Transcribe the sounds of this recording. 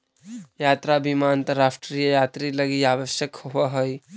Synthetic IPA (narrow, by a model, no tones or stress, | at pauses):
jaːt̪ɾabʱimaə̃nt̪əɾːaːsʈɾijəjaːt̪ɾiləɡiaːʋəʃjəkhuaɦəj